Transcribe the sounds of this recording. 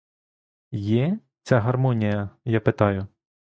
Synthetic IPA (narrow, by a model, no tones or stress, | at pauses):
jɛ | t͡sʲaɦɐrmɔnʲijɐjapɪt̪ɑjʊ